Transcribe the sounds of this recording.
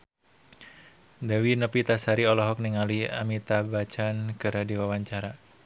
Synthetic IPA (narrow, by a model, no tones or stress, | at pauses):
dawinəpit̪asaɾiɔlɔɦɔk̚niŋaliamit̪abat͡ʃankəɾadiwawaɲt͡ʃaɾa